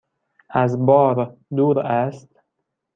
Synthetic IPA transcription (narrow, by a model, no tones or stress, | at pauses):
æzbɒːɾd̪uːɾæst̪